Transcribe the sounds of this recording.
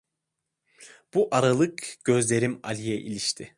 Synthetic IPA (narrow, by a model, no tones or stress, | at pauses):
b̥uʔaɾalˠɯkɟ̥ø̞zlʲe̞ɾima̰lʲijɛʔilʲiʃt̪ʰɪ